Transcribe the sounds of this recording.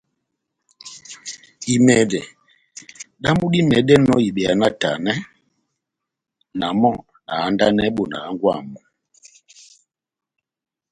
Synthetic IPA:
i˨mɛ˨dɛ˨ | ɗa˦mu˦ɗi˦mɛ˨ɗɛ˦nɔ˦i˨ɓɛ˨a˨na˦ta˨nɛ˦ | na˨mɔ˦˨ | na˨a˦nda˦nɛ˦ɓo˨na̰˨a˦ŋɡwa̰˦˨mɔ˨

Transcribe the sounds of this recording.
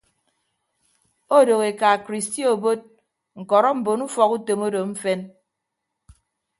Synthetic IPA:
o˦do˨ɣe˨ka˨kɾi˨sti˦o˨bo˦t̚ | ŋ̩˨kɔ˨ɾɔ˦m̩˨bo˨nu˦fɔ˨ku˦to˨mo˦do˨m̩˦fe˦n

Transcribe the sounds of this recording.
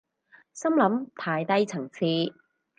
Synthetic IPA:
sɐ˥mlɐ˨˥mt̪ʰaː˧jt̪ɐ˥jt͡sʰɐ˨˩ŋt͡sʰiː˧

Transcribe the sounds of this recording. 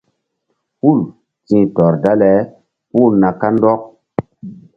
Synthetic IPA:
pu˦˨l | tĩ˨tɔ˨ɾda˦lɛ˨˦ | pu˦˨na˨ka˦ndɔ˦k̚

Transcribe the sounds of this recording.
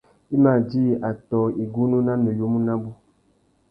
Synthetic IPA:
i˦ma˨d͡ʒi˦˨ʔa˨tɔ˨i˨ɡu˦nu˦na˦nə˨jo˦mu˦na˦bu˦

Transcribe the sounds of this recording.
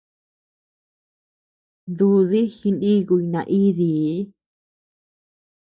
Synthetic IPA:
nd̪u˧ði˦xi˧ndi˦ɣu˧i˧nã̰˧ʔi˦ði˨˦

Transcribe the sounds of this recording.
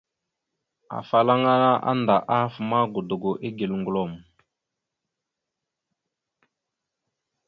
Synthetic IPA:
a̰˨fa˨la˦ŋa˦na˦ʔa̰˦nda˨ʔa˦fma˦ɡu˨du˨ɡo˨ʔi˦ɡi˨lŋɡlo˦˨m˨

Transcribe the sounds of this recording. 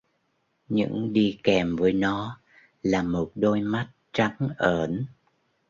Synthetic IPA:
ɲɨ̰˧˥ŋɗi˧kɛ˨˩mvəː˨˦jnɔ˨˦ | laː˨˩mo˨˩t̚ɗo˧jma˦˥t̚t͡ɕa˨˦ŋʔəː˧˩n

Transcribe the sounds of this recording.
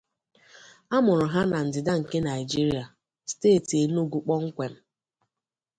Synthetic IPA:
a˦mʊ˨ɾʊ˨ɦa˦na˨n̩˨dɪ˨da˦ŋ̩˨ke˦na˨ɪ˨d͡ʒi˦ɾi˨˦a˨ | steː˦˨ti˨e˨n˦o˦ɡu˨k͡pɔ˦ŋ̩˦kʷe˨m̩˦

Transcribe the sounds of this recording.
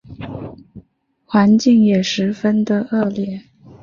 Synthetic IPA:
xwa˧˥nt͡ɕi˥˩ŋjɛ˨˩ʂɻ̩˧˥fə˥nd̪ə˨ʔɤ˥˧ljɛ˥˩

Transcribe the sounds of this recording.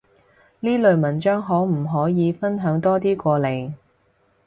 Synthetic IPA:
liː˥lɵ˨˧ɥmɐ˨˩nt͡ʃœː˥ŋɦɔː˨˥m̩˨˩ɦɔː˨˥jiː˨˧fɐ˥nɦœː˨˥ŋt̪ɔː˥t̪iː˥kʷɔː˧le˨j

